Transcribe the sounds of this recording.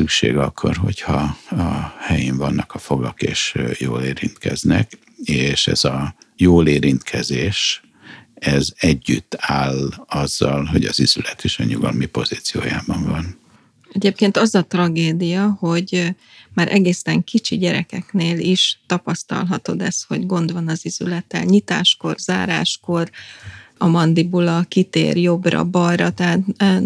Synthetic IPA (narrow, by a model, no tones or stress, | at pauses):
sykʃḛːɡɒkʰːo̞̰rɦo̞chɒɒhɛjiɱvɒnːɒkɒfo̞ɡɒkeːʃjoːleːɾint̪kɛznɛk | eːʃɛ̰zɒjoːleːɾint̪kʰɛzeːʃ | ɛzɛɟːyt̪ːaːlɒzːɒlɦo̞ɟɒzizylɛt̪ʰiʃɒɲuɡɒlmipo̞ziːt̪sijoːjaːbɒɱvɒn | ɛɟeːp̚keːnt̪ɒzɒt̪rɒɡeːd̪ijɒho̞ɟ | maːɾʔɛɡeːsɛŋkit͡ʃiɟɛɾɛkɛkneːliʃt̪ɒpɒst̪ɒ̰lɦɒt̪o̞d̪ɛsho̞ɟɡo̞nd̪ʋɒnɒzizylɛt̪ːɛ̰lɲit̪a̰ːʃko̞rzaːɾa̰ːʃko̞r | ɒmɒnd̪ibulɒkit̪ḛːrjo̞brɒ̰bɒjɾɒt̪ɛɦaːt̪ː